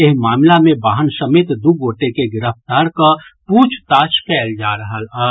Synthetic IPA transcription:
ɪɦmaːmlamẽbaːɦənsɐmeːt̪d̪uɡoːʈekeɡɪɾəft̪aːɾkapuːt͡ʃʰt̪aːʃkɛːld͡ʒaːɾəɦəlː

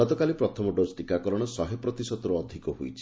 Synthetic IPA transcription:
ɔt̪ɔkalipɾɔt̪ʰɔmɔɖosʈikakɔɾɔɽ̃ɔsɔɦepɾɔt̪isɔd̪ɔɾuɔd̪ʱikɔɦujt͡ʃʰi̥

